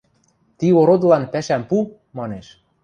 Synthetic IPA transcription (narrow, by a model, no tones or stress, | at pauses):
t̪ioɾod̪lɑnpæʃæmpu | mɑneʃ